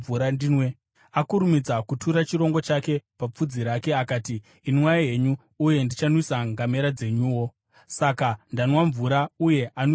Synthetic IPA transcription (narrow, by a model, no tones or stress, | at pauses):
uɾadinwe | akuɾumid͡zakutʰuɾat͡ʃiɾo̞ŋɡo̞t͡ʃake̞pap͡fud͡ziɾake̞akaːtiː | nimwajaje̞ɲuː | je̞ndit͡ʃanwisaŋɡame̞ɾad͡ze̞ɲuwo̞ | sakandanwaɱvuɾauje̞ʔan